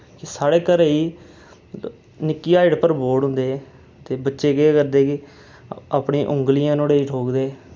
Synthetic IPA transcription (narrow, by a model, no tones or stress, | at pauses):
kɪsaːɽeːkəɾeiː | nɪkːiːaːɪɽpəɾboːɽɦʊ̃nd̪eː | t̪eːbətːʃeːɡeːkəɾd̪eːkɪ | aːpɳĩːʔʊ̃ŋɡlɪjãːnoːɽeːiʈoːkd̪eː